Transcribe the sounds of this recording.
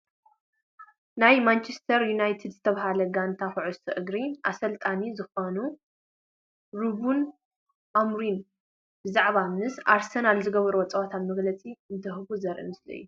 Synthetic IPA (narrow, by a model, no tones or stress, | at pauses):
najmant͡ʃʰest̪ʰɐɾjunajt̪ʰid̪zɨt̪ʰɐβɦalɐɡant̪ʰaxɨʕʊsɨʔɨɡɾiʔa̰sɐlt̪ʼanizɨxonu | ɾubun | ʔamɾin | bɨzaʕβamnɨsʔaɾsɐnalzɨɡɐβɐɾuwoɔt͡sʼɐwat̪ʰat̪mɐɡlɐt͡sʼiɨnt̪ʰɐhɨβuzɐɾʔḭmɨslɐ̰jːu